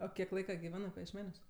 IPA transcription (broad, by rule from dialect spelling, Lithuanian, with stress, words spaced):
oː ˈkʲiɛk ˈlˠɐɪkɐ ɡʲɪˈʋʲæːnɜ pɐjiɛʃʲˈmʲæːnʲuɔs